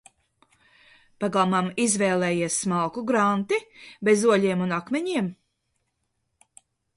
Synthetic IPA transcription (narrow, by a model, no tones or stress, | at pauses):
paɡamamizvɛːlˠɛːjiɛsmalˠkuɡɾant̪ibezuɔʎʲiɛmunakmɛɲiɛm